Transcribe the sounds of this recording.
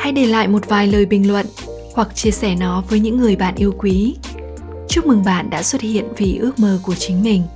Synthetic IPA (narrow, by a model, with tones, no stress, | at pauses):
ha˧jɗe˧˩la̰ː˧˨jmo˨˩t̚vaː˨˩jləː˨˩jɓï˨˩ŋ̟lwə̰˧˨n | hwa˨˩k̚t͡ɕi˧əsɛ˧˩nɔ˨˦vəː˨˦jɲɨ̰˧˥ŋːɨ˨˩əjɓa̰ː˧˨nʔi˧əwkwi˨˦ | t͡ɕu˦˥k͡p̚mɨ˨˩ŋɓa̰ː˧˨nɗa̰ː˧˥swə˦˥t̚hḭ˧˨ənvi˨˩ʔɨ˦˥ək̚məː˧˩ku˧˩ət͡ɕï˨˦ŋ̟mï˨˩ŋ̟